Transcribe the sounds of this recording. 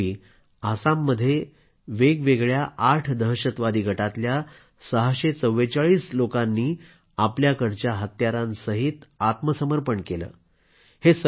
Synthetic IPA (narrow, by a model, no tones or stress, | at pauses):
iː | asamːəd̪ʱːje | ʋeɡʋeɡɭjaʔaʈʰd̪ʱəɦɕət̪ʋad̪iːɡʱəʈat̪lja | səɦaɕet͡səwːet͡saɭiːslokanːiː | apljakəɾt͡ɕjaɦət̪jaɾãnsəɦit̪at̪məsəməɾpəɳkelə̰ː | hesə